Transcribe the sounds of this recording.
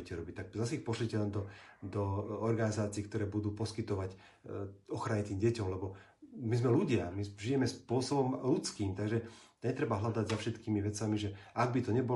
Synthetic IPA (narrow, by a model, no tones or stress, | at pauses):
ɛcɛɾɔbic̚t̪ak̚zas̬ɛixpɔslicɛlɛnd̪ɔd̪ɔɔɾɡanizaːt͡siɛkt̪ɔɾɛːbud̪uːpɔskit̪ɔʋac | ɔxɾaɲit̪iːmɟɛcɔmlɛbɔ | mizmɛluɟɪamiʒijɛmɛspʊɔsɔbɔmlut͡skiːmt̪aɡʒɛ | ɲɛt̪ɾɛbaɦlad̪aɟzafʃɛt̪kiːmiʋɛt͡samiʒɛaɡ̚bit̪ɔɲɛbɔ